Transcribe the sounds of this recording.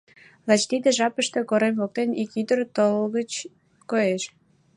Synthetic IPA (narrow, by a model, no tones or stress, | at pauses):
lɑt͡ɕt̪id̪ĕʒɑpəʃt̪ĕkoɾemvok̚t̪enikyd̪ərt̪olɣət͡ɕ | kojeʃ